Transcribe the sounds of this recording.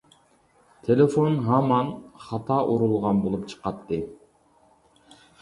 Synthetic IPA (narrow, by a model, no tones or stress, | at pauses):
t̪ʰelefonɦɑmɑnχɑt̪ʰɑʔuɾulˠʁɑnbolˠupt͡ʃʰɨ̥qɑt̪ːɨ